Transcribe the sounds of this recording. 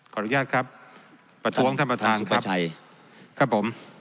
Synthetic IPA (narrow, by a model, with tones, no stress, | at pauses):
kʰɔː˨˩ɾu˥jaː˥˩t̪̚kʰɾa˦˥p̚ː | ɾa˧t̪ʰu˦˥əŋt̪ʰa˥˩pɾa˧t̪ʰaː˧nkʰa˧˦˥pt͡ɕʰa˧j | kʰɾa˦˥pʰːo˩˦m